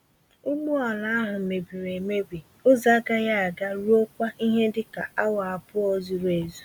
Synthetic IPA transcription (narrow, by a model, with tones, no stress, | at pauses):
ʊ˦ɡ͡bu˦ɔ˨na˦a˦ɦʊ˨me˨bi˨ɾe˨me˦ɡ͡be˨ | ʊ˦za˦ɡa˦ja˦a˨ɡa˦ɾu˦o˦kʷa˦i˦ɦe˦dɪ˦ka˨a˦wa˨a˨pʊ˦ɔ˦zi˨ɾe˨zu˦